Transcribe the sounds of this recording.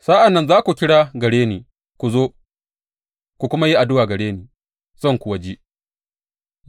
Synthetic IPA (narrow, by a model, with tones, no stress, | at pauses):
sa˦ʔa˨nːɐ˦nzaː˦kʷu˨kʲɪ˦ɽaː˦ɡɐ˨ɽeː˦niː˨ | kʷu˨zoː˦ | kʷu˨kʷʊ˦ma˦ji˦ʔa˨dʊ˦waː˨ɡɐ˨ɽeː˦niː˨ | z̥ɐ˦˨ŋkʷʊ˨wɐ˦d͡ʒi˦ʔ